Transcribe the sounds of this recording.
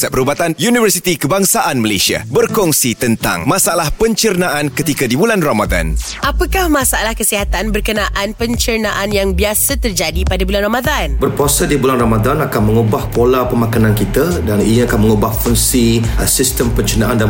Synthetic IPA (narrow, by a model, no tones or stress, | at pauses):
sɛpəɾubat̪anjunivərsit̪ikəbaŋsaʔanməlesia̰bərkɔŋsit̪ənt̪a̰ŋmãsaalahpəɲt͡ʃərnaʔankət̪ikadibulanramad̪a̰n | ʔapəkahmãsaalahkəsiɦat̪anbərkənaʔanpəɲt͡ʃərnaʔanjaŋbiasat̪ərd͡ʒadipadabulanramad̪anbərpuasadibulanramadanakanməŋubahkolapəmakanãnkit̪adaniniakanməŋubahkɔŋsisist̪əmpəɲt͡ʃənaʔandan